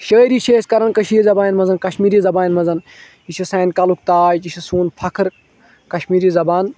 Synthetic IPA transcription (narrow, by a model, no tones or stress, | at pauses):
ʃəːɾiːt͡ʃʰeːskɐɾɐnkɐʃiːizɐbaːinmɐzɐnkɐʃmiːɾiːzɐbaːinmɐzɐn | it͡ʃʰisɐːnkɐluk̚t̪aːt͡ʃit͡ʃʰisuːnpʰɐkʰɨɾ | kɐʃmiːɾiːzɐbaːn